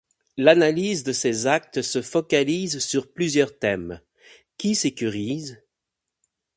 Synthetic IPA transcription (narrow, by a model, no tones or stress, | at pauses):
lanalizd̪əsezak̚t̪səfɔkalizsyʁplyzjœʁt̪ɛm | kʲisekʲyʁiz